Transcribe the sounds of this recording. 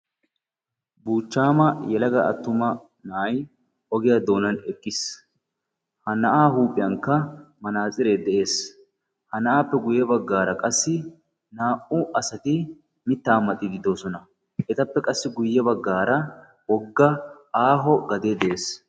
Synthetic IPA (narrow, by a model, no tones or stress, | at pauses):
buːt͡ʃːaːmɐjɛlɐɡɐʔɐ̰t̪ːʊmɐ | nɐʔɐj | ʔɔɡɪjad̪o̞ːnɐnɛkʼːɪs | hɐnɐʔaːɦuːpʼɪjɐŋkːɐmɐnaːt͡sʼɪɾeːd̪ɛʔe̞ːs | hɐnɐʔaːpːɛɡʊjːɛbɐɡːaːɾɐkʼɐsːɪ | naːʔʊʔɐsɐt̪ɪ | mɪt̪ːaːmːɐt̪ʼːɪɡɪd̪o̞ːsɔnɐ | ɛt̪ɐpːɛkʼɐsːɪɡʊjːɛbɐɡːaːɾɐ | wɔɡːɐ | aːɦɔɡɐd̪eːd̪ɛʔe̞ːs